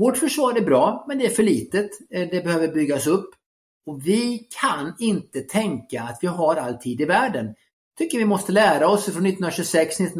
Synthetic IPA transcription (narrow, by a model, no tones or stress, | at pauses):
voːʈfœʂvɑːɾæɾbɾɑːmɛnd̪ɛæɾfœɭiːt̪ət̪d̪ɛbɛhøːvəɾbʏɡːaɔsɵpː | ɔvɪkʰanɪnt̪ət̪ʰɛŋkaːt̪vɪɦaɾalt̪ʰiːd̪ɪvæːɖən | t̪ʰʏkːəɾvɪmɔst̪əlæːɾaɔsfɾɔnɪt̪ːənnɾaɕɵsɛkst̪nɪt̪ː